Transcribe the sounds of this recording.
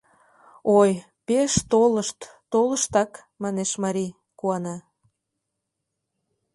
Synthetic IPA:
oj | peʃt̪oləʃt̪ːoləʃt̪ɑk | mɑneʃmɑɾi | kuɑnɑ

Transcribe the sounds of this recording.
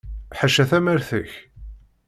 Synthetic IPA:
ħaʃːæθæməɾθəç

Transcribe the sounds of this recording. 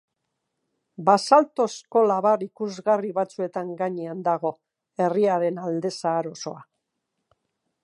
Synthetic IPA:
basalt̪o̞sko̞laβaɾikuzɣariβat͡sue̞t̪aŋɡaɲeand̪aɣ̞o̞ | e̞riaɾe̞nald̪e̞saːɾo̞so̞̰a

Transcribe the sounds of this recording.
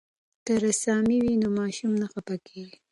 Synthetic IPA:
t̪aɾasɑmiwinomɑʃumnaxapakʰeɡi

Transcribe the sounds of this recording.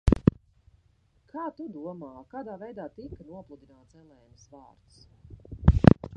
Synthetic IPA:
kʰaːt̪ud̪uɔmaːkaːd̪aːvɛjd̪aːt̪ikənuɔplˠud̪inaːt̪sɛlˠɛjumsvaːɾt̪s

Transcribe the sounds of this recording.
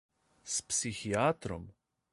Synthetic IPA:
spsixiat̪ɾom

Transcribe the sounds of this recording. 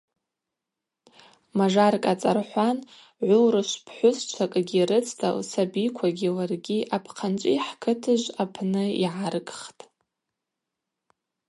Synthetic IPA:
maʐarkʼat͡sʼarħʷan | ʕʷʊlrɨʃʷpʰħʷʊst͡ʃʷʰakʼɡʲiɾɨt͡sʰtʰa̰lsabikʷʰaɡʲilarɡʲiʔapʰqʰant͡ʃʷʼiħkʰɨtʰɨʒʷapʰnɨḭʕarkʼχtʼ

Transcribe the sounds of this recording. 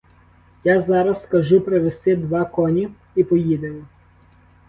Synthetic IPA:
jazɑɾɐskɐʒupɾeʋest̪ɪd̪ʋɑkɔnʲi | ipɔjid̪emɔ

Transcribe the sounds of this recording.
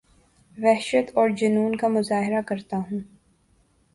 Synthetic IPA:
ʋɛɦʃət̪ɔːɾd͡ʒʊnuːnkamʊzaːɦɪɾakɐɾt̪aɦũː

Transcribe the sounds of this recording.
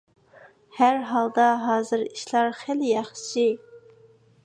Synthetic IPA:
hæɾɦɑlˠd̪ɑɦɑːzɨɾiʃlˠɑɾχæljɑχʃi

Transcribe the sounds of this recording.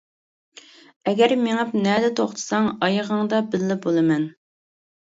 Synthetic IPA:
ɛɡʲɛɾmeŋɑpnɛd̪ɛt̪ʰoχt̪ʰɨ̥sɑŋɑjəʁəŋd̪ɑbɪlːɪbolˠɨmɛn

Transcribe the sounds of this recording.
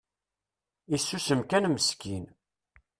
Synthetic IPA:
isːusəmkænməskin

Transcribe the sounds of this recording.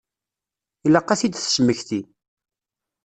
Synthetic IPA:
ilɑqːɑθid̪θə̥sməçθi

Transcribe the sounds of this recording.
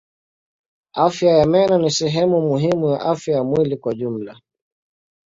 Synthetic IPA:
afjajamɛnanisɛɦɛmumuɦimujaʔafjajamwilikwaʄum̩la

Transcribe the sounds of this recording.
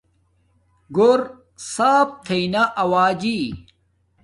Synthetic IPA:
ɡoɾ | saːp̚t̪ʰejnaʔɐwaːd͡ʑi

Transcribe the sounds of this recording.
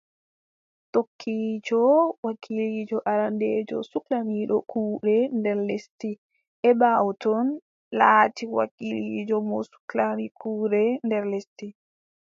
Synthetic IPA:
tokʰːid͡ʒɔwakʰilid͡ʒɔʔaɾanded͡ʒɔ̰suklamiɗɔkʰuːɾɛndɛɾlesti | ʔɛbawɔtɔn | laːtiwa̰kilid͡ʒɔmɔ̰su̥klanikʰuːɾɛndɛɾlesti

